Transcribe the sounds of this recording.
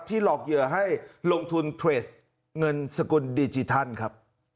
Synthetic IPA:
t̪ʰiː˥˩lɔː˨˩k̚jɯ˨˩ɐɦa˥˩jlo˧ŋt̪ʰu˧nt̪ʰɾeː˨˩t̪̚ | ŋɤ˧nsa˧ku˧ndiː˧t͡ɕi˧t̪ʰa˥˩nkʰɾa˦˥p̚

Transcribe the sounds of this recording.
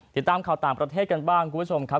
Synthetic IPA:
t̪i˨˩t̪ːaː˧mkʰa˨˩wt̪aː˨˩ŋpɾa˧t̪ʰeː˥˩t̪̚ka˧nbaː˥˩ŋkʰuː˧bʰt͡ɕʰo˧mkʰa˦˥

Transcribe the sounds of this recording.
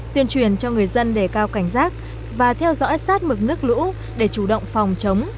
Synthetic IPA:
t̪wi˧ənt͡ɕwi˨˩ənt͡ɕɔ˧ŋɨ˨˩əjzə˧nɗe˧˩kaː˧wka˧˩jŋ̟zaː˦˥k̚ | vaː˨˩t̪ʰɛ˧wzɔ̰˧˥jsaː˦˥t̚mɨ˨˩k̚nɨ˦˥ək̚lṵ˧˥ | ɗe˧˩t͡ɕu˧˩ɗo̰˧˨wŋ͡mfa˨˩wŋ͡mt͡ɕə˨˦wŋ͡m

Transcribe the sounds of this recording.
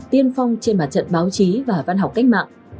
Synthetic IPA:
t̪i˧ənfa˧wŋ͡mt͡ɕe˧nmaː˨˩t̚t͡ɕə̰˧˨nɓaː˨˦wt͡ɕi˨˦vaː˨˩va˧nɦa˨˩wk͡p̚ka˦˥jk̚ma̰ː˧˨ŋ

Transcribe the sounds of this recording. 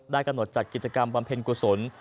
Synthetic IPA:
daː˥˩jka˧mno˨˩t̪̚t͡ɕa˨˩t̪̚ki˨˩t̪̚t͡ɕa˧ka˧mba˧mpʰe˧ŋku˨˩so˩˦n

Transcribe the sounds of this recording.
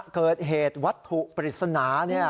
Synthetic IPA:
kɤː˨˩t̪̚ɦeː˨˩t̪̚wa˦˥t̪ʰːu˨˩ʔpɾi˨˩t̪̚sa˧naː˩˦ni˥˩ɐ

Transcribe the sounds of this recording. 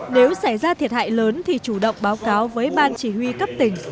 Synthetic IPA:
ne˨˦wsaː˧˩jzaː˧t̪ʰi˨˩ət̚ha̰ː˧˨jləː˨˦nt̪ʰi˨˩t͡ɕu˧˩ɗə̰˧˨wŋ͡mɓaː˨˦wkaː˨˦wvəː˨˦jɓaː˧nt͡ɕi˧˩hwi˧kə˦˥p̚t̪ï˧˩ŋ̟

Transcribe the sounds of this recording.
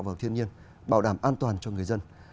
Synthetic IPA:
wvaː˨˩wt̪ʰi˧ənɲi˧ən | ɓaː˧˩wɗaː˧˩mʔaː˧nt̪waː˨˩nt͡ɕɔ˧ŋɨ˨˩əjzə˧n

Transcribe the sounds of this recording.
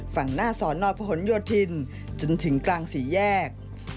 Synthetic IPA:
fa˨˩ŋnaː˥˩sɔː˩˦nːɔː˧jpʰɔː˧ho˩˦njoː˧t̪ʰːi˧n | t͡ɕo˧nt̪ʰɯ˩˦ŋklaː˧ŋsiː˩˦jɛː˥˩k̚

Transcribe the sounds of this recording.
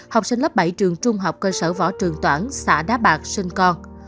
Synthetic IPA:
ha˨˩wk͡p̚sï˧ŋ̟lə˦˥p̚ɓə˧˩jt͡ɕɨ˨˩əŋt͡ɕʊ˧ŋ͡mɦɔ˨˩wk͡p̚kəː˧səː˧˩vɔ̰˧˥˩t͡ɕɨ˨˩əŋt̪waː˧˩nsa̰ː˧˩ɗaː˨˦˥ɓaː˨˩k̚sï˧ŋ̟kɔ˧n

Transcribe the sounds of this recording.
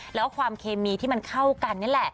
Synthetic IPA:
lɛː˦˥wkʰwaː˧mkʰeː˧miː˧t̪ʰiː˥˩ma˧nkʰa˥˩wka˧nːa˥˩˨lɛ˨˩ʔ

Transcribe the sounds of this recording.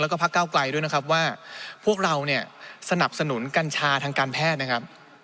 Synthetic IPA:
ɛː˦˥kɔː˥˩pʰkːaː˥˩wkla˧jdu˥˩jna˦˥kʰa˦˥p̬̚waː˥˩pʰu˥˩ək̚ɾa˧wni˥˩ɐsa˧na˨˩p̚sa˧nu˩˦nka˧nt͡ɕʰaː˧t̪ʰaː˧ŋkaː˧npʰɛː˥˩t̪̚na˦˥kʰɾa˦˥p̚

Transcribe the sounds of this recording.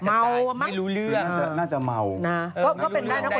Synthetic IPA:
ma˧wma˦˧lu˨˦lɯ˦˥naː˥t͡ɕa˨˩naː˥˩t͡ɕa˨˩ʔma˧wna˦˧kɔ˦˥˩kkɔː˦˥˩pe˧ndaː˥˩jna˦˥˨

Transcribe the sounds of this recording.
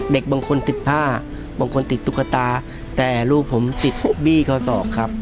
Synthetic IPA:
de˨˩k̚baː˧ŋkʰo˧nt̪i˨˩t̪̚pʰaː˥˩ | baː˧ŋkʰo˧nt̪i˨˩t̪ʰːu˦˥kʰːa˧t̪aː˧ | t̪ɛː˨˩luː˧˩pʰːo˩˦mt̪i˨˩t̪̚biː˥˩kʰɔː˧˩sɔː˨˩p̚kʰɾa˦˥p̚

